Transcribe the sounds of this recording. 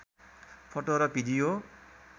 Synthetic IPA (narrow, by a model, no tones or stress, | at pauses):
pʰoʈoɾʌbʱidijo